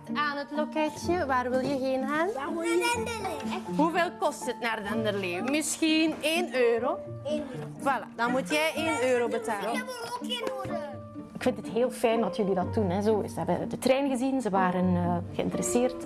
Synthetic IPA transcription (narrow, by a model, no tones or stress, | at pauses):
aːnətlokɛtjəʋaːrʋɪlˠjəɣeːnɦaːn | ɦuveːlˠkɔstətnaːrətɪndərleːvəmɪsxineːnøːɾoː | vala̰ːdɑnmutjɛjʔeːnøːɾobətaːlə | ɪkfɪntətɦeːlˠfɛjndɑtjɵlidɑtːunɛzoːzəɦɛbədətrɛːnɣəzinzəʋaːɾənəɣəɪ̰ntəɾɛseːrt